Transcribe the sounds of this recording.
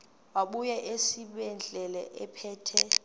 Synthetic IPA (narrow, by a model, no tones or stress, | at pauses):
waɓujɛʔesiɓɛnd͡ɮʱɛlɛʔɛpʰɛːtʰɛ